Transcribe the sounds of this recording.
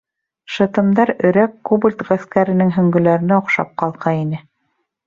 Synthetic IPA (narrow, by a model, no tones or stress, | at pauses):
ʃɤ̆t̪ɤ̆md̪ɑɾɵ̆ɾækːubɘlʲt̪ʁæskæɾɘ̆nɘŋɦɵ̆ŋɡɵ̆læɾɘ̆næŏqʃɑ̰p̚qɑlˠqɑinɘ